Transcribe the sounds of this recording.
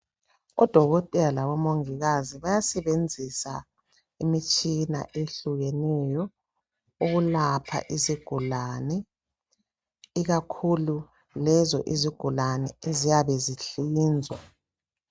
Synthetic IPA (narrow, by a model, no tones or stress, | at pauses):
ɔ̰d̥ʱɔɣɔtʼɛlalaβɔmoŋiɣaziβajasɛβend͡zʱisa̰ | imit͡ʃʼina̰ʔeɬuɣɛnɛjɔ | uɣulapʰa̰ʔiziɡ̥ʱulanɛ | iɣakʰulu | lɛzɔʔiziɡ̥ʱulanɛezijaβɛziɬiːnd͡zʱwa